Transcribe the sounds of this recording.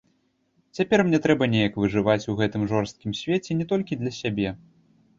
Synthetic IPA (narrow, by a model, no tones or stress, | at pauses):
t͡sʲapʲɛrmnʲɛt̪ɾɛbɐnʲɛjɐkvɨʐɨvat͡sʲuɣɛt̪ɨmʐɔrst̪̚kʲimsʲvʲɛt͡sʲɛnʲɛt̪ɔlʲkʲid̪lʲɐsʲabʲɛ